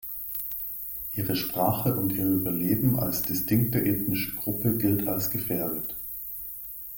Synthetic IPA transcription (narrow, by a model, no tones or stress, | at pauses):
ʔiːʁəʃpʁ̥aːχəʔʊntʔiːɐyːbɐleːbm̩ʔa̰lsd̥ɪstɪŋk̚təʔɛːtnɪʃəɡ̥ʁʊpəɡɪltʰalsɡ̥əfɛːɐdət